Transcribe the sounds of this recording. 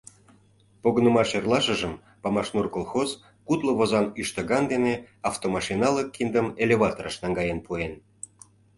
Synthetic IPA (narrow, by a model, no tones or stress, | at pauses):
poɣənə̆mɑʃerlɑʃə̆ʒəm | pɑmɑʃnurkolˠxoz | kut̪lə̆βozɑnyʃt̪əɣɑnd̪ene | ɑft̪omɑʃinɑləkːind̪əmelʲeβɑt̪oɾəʃnɑŋɡɑjenpuen